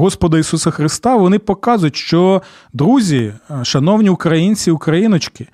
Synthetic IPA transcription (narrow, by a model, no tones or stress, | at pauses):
ɦɔspɔd̪ɐisusɐxɾɪst̪ɑʋɔnɪpɔkɑzʊjtʲʃt͡ʃɔ | d̪ɾuzʲiʃɐnɔwnʲiʊkɾɐjinʲt͡sʲiʊkɾɐjinɔt͡ʃkɪ